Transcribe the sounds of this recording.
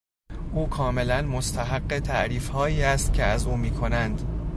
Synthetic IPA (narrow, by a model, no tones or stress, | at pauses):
ʔuːkʰɒːme̞lænmost̪ʰæɦæɢːe̞t̪ʰæʔɾiːfhɒːiːæst̪cʲʰe̞æzuːmiːkʰo̞nænd̪